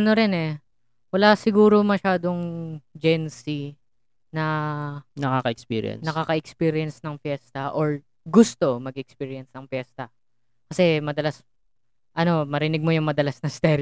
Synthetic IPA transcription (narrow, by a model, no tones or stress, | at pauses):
ʔɐnoɾɛnɛ | wɐlaːsɪɡuːɾo̞mɐʃaːd̪o̞ŋd͡ʒɛnsi | nɐ | nɐkakɐʔɛkspḭːɾɪ̰ɛ̰nnɐkakɐʔɛkspiːɾɪɐnsnɐŋfjɛst̪ɐʔoɹ | ɡʊst̪o̞mɐɡɛk̚spiːɹɪɐnsnɐŋfjɛːst̪ɐ | kɐsɛmɐd̪ɐlas | ʔɐno̞mɐɾɪnɪɡ̚mojʊŋmɐd̪ɐlasnɐst̪ɛɾ